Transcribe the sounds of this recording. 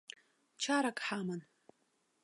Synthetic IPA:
t͡ʃʰaɾakʼħaman

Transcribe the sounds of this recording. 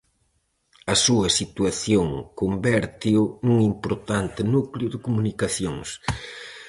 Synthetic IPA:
ɐsuɐsit̪uɐθjoŋkombɛɾt̪iwnuŋimpoɾt̪ant̪ɪnuklʊðɪkumunikaθjoŋs

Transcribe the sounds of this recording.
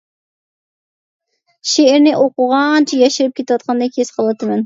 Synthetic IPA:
ʃeːɾnɪʔoqʊʁɑnt͡ʃʰijɑʃiɾɨp̚kʲʰet̪ɨwɑt̪̚qʰɑnd̪ɑkʲʰesqʰəlˠɨt̪ʰɨmɛn

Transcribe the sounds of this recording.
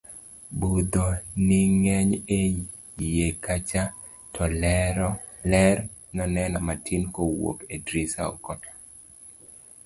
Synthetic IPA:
bud̪onɪŋɛɲe | jekat͡ʃa | tʰɔl | lɛrnɔnɛnɔmatʰinkowo̰kedɾisa̰ɔ̰kɔtʰḁ

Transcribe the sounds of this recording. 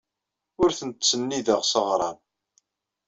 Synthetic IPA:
ʊɾθənt̪sənːiðəʁsəʁɾˤɑn

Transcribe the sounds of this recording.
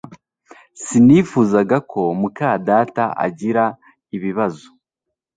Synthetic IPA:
siniːfuːzaɡakʰo̞mukaːdaːtaʔa̰ɟiɾa | iβiβazo

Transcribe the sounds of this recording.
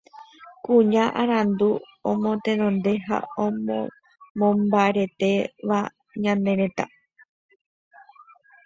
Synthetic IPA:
kuɲãʔaɾ̃ãnd̪u | õmõ̞t̪ẽnõnd̪e̞ɦa̰omõ | mõmbaeɾe̞t̪eʋa̰ | ɲãnd̪e̞ɾẽ̞t̪a̰

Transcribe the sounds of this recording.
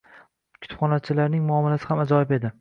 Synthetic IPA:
kʰʊ̥pχɒnat͡ʃʰɪlaɾnɪŋmʊɒmːalasɪhamad͡ʒɒɪbe̞d̪ɪ

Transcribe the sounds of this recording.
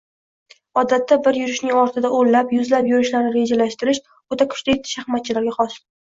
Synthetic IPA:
ɒd̪at̪ʰːabɪɾjʊɾɪʃnɪŋɒɾt̪ʰɪd̪aʔollapjʊzlapjʊɾɪʃlaɾnɪɾe̞d͡ʒalaʃt̪ɪɾɪʃ | ot̪ʰakʰʊ̥t͡ʃt̪at̪ʰːɪ̥ʃaχmat̪̚t͡ʃʰɪlaɾɡʲaχɒs

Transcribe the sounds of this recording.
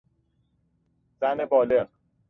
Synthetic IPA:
z̥æne̞bɒːleʁ

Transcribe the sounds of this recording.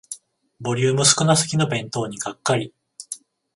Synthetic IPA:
bo̞ɾʲɯ̟ːmɯ̟sɨ̥kɯ̟nasɨ̥kʲino̞bẽ̞nt̪o̞ːɲ̟iɡakːaɾʲi

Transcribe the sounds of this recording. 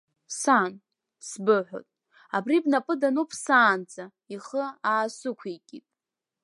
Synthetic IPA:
san | sbɨħʷo̰tʼ | abribnapʼɨdanopʰsaːnt͡sʼa | iχəaːsɨkʷʰikʲʼitʼ

